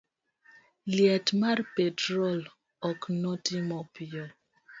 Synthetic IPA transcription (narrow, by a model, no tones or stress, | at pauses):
liatmaɾpetɾɔl | ɔknɔtimɔpiɔ